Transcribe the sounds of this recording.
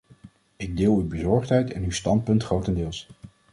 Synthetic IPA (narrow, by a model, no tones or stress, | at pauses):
ɪɡ̚dɪːlˠywbəzɔɹχtɦɛjtɛ̰nywstɑnt̚pɵntχrowtəndɪːlˠs